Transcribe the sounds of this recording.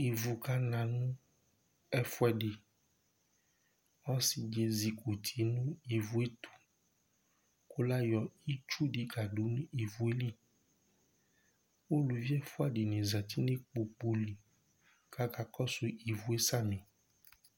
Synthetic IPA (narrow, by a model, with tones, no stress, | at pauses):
i˨vu˨ka˦nã˨nũ˦ | ɛ˦fwɛ˨ɖe˨ | ŋɔ̃˦si˨d͡ʒe˨zi˨ku˨t̪ʰi˨nũ˦i˨vu˨˦e˦t̪ʰu̥˨ | ko˦la˦jɔ˨i˦t͡ʃu˦di˨ɡa˨ɖo˨˦nũ˦i˨vu˨e˦li˦ | wo˦lu˨vi˦ɛ˦fu˦ɛ˨ɖi˨nĩ˨za˨t̪i˦ne˦k͡po˨k͡po˨li˨ | ka˦ka˨kɔ˦su˨ʔi˨vu˨e˦sa˦mẽ˨